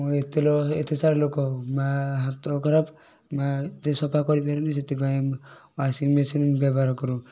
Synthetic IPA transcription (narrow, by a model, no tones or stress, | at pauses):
et̪elɔet̪esaɾlokɔmaɦat̪ɔkɔɾap | maet̪esɔpakɔɾipeɾiniset̪ipa | wasinmesinbabaɾɔkɔɾũ